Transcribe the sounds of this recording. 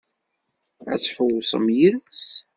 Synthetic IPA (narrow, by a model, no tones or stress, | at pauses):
æ̰t͡sːħəwsˤə̰mjiðs